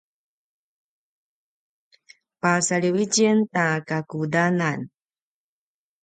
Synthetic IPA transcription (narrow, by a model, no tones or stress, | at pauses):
pasaɭiwicintakakudanan